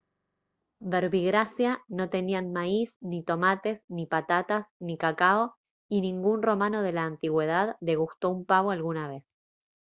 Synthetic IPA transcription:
beɾβiɣɾasjano̞t̪e̞nianmaisnit̪o̞mat̪e̞snipat̪at̪asnikakao | inĩŋɡunro̞mãno̞ð̞e̞laːnt̪iɣwe̞ð̞aðle̞ɣ̞ust̪o̞umpaβoalɣunaβe̞s

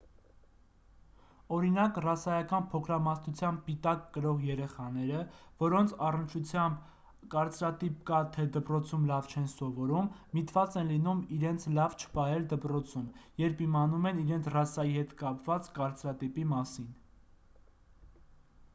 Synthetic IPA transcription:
ɔɾinɑkrɑsɑjɑkɑnpʰɔkʰɾɑmɑsnut͡sʰjɑmb̚pit̪ɑkːəɾɔʁjɛɾɛχɑn̪ɛɾəvɔɾɔnt͡sʰɑrənt͡ʃʰut͡sʰjɑmb | kɑɾt͡sɾɑt̪ip̚kɑt̪ʰɛd̪əpɾɔt͡sʰumlɑvt͡ʃʰɛnsɔvɔɾumːit̪vɑt͡sɛnlinumiɾɛnt͡sʰlɑvt͡ʃʰə̥pɑɦɛld̪əpɾɔt͡sʰumjɛɾpimɑnumɛniɾɛnt͡sʰrɑsɑjihɛt̪kɑpvɑt͡skɑɾt͡sɾɑt̪ipimɑsin

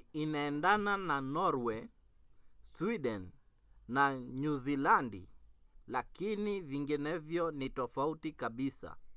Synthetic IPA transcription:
inaɛndanananɔɾwɛ | swiɗɛnː | aɲuzilandḭlakiniviŋɡinɛvjɔnitɔfautikaɓisa̰

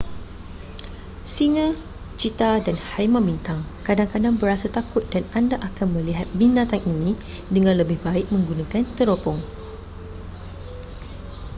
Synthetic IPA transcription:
siŋə | t͡ʃit̪adanhaɾimãbint̪aŋkadaŋkadaŋbəɾasat̪akʊt̪̚danandaʔakanmə̃liɦat̪̚binat̪aŋʔinĩ | dəŋãnləbɪhbaɪk̚mə̃ŋɡunãkant̪əɾopɔŋ

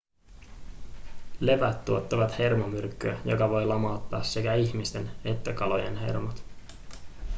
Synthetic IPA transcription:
le̞ʋæt̪ːuot̪ːɑʋɑt̪he̞rmomyrkːyæjo̞̰kɑʋo̞jlɑmɑwt̪ːɑːsːe̞kæiçmist̪e̞ne̞t̪ːækɑlo̞jenɦe̞̰rmot̪

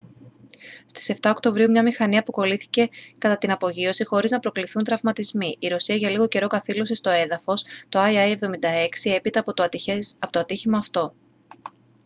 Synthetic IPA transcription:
st̪i̥se̞ft̪ɐokt̪o̞vɾiumɲɐmixɐniɐpoko̞liθi̥ce̞kɐt̪ɐt̪inɐpo̞ʝio̞sixo̞ɾiznɐpɾo̞kliθunt̪ɾɐvmɐt̪izmiʔiɾo̞siɐʝɐliɣo̞ce̞ɾo̞kɐθilo̞sist̪o̞e̞ðɐfo̞st̪o̞ɐiɐjevðo̞mind̪ɐe̞ksie̞pit̪ɐ | pot̪oɐt̪içimɐːft̪o̞

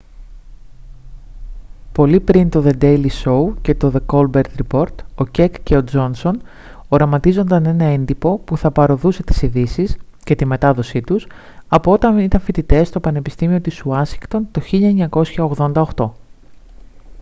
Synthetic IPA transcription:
po̞lipɾint̪o̞ðe̞d̪ejliso̞uce̞t̪o̞ðeko̞lbe̞ɾt̪ɾipo̞ɾt̪o̞ce̞kceo̞d͡zo̞nso̞n | o̞ɾɐmɐt̪izo̞nd̪ɐne̞nɐe̞nd̪ipo̞puθɐpɐɾo̞ðuse̞t̪i̥siðisis | ce̞t̪ime̞t̪ɐðo̞sit̪us | ɐpoo̞t̪ɐnit̪ɐɱfit̪it̪e̞st̪o̞pɐne̞pi̥st̪imio̞t̪isuɐsiŋkt̪o̞nt̪o̞çiʎɐeɲɐko̞sçɐo̞ɣðo̞nd̪ɐoxt̪o̞

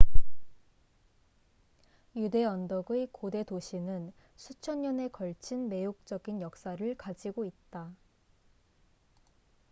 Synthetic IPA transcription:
jude̞ʌndʌɡɯkode̞doɕʰinɯn | sʰut͡ɕʰʌɲɲʌne̞kʌɭt͡ɕʰinme̞jok̚t͡ɕ͈ʌɡinjʌk̚s͈aɾɯɭkad͡ʑiɡoit̚t͈a

